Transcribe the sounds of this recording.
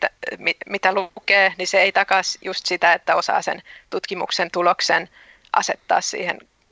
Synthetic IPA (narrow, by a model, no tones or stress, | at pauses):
t̪æmimit̪ælukeːniseeit̪ɑkɑsjust̪sit̪æet̪ːæosɑ̰ːsḛnt̪ut̪kimṵksent̪uloksen | ʔɑ̰set̪ːɑ̰ːssḭːhḛn